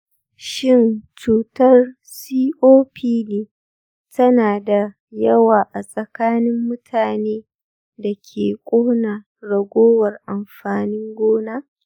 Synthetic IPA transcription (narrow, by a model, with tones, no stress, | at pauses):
ʃɪ˦nt͡ʃuː˨tɐ˦r | siː˦ʔoː˦pʰiː˦neː˦ | tɐ˦naː˨da˨ | jɐ˦waː˨ʔa˨sʼɐ˨kaː˦nɪ˦mːʊ˦tʰaː˨neː˦ | da˨kʲʰeː˨kʷʼoː˦na˨ | ɽɐ˨ɡʷoː˦wɐ˨rʔa˨mɸaː˨nɪ˦ŋɡʷoː˦naː˦